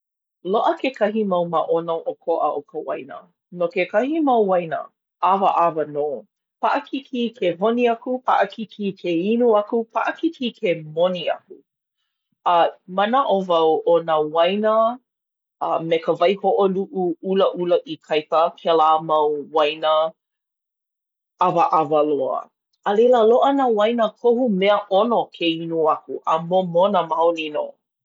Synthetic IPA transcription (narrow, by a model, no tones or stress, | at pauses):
loʔəkekɐɦimɐwmɐʔonoʔokʰoʔə̰ʔokəwɐ̰jnə̰ | nokekɐhimɐwwɐjnə̰ | ʔavəʔavənoː | paʔəkʰikʰikʰevoniɐkupʰa̰ʔəkʰikʰikʰeinuɐkupʰaʔəkikikʰemoniɐ̰ku | ɐmɐnaʔovɐwonawɐjnə | ɐmekəvɐjhoʔoluʔuuləʔuləʔikʰɐjpəkʰelaːmɐwwajnə | avəʔavəloə̰ | əleləloʔənawɐjnəkʰohumɛəʔonokʰeinuɐkuʔəmomonəmawlino̰